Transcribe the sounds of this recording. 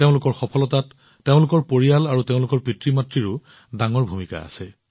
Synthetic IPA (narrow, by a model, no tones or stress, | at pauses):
teʊ̃lʊkɔɹxɔpʰɔlɔtatː | eʊ̃lʊkɔɹpoɹijalaɹuteʊ̃lʊkɔɹpɹitɹimatɹiɹʊ | daŋɔɹbʱumika̰a̰sɛ